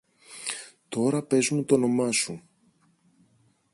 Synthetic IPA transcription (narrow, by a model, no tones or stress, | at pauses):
t̪o̞ɾɐpe̞zumut̪o̞no̞mɐsu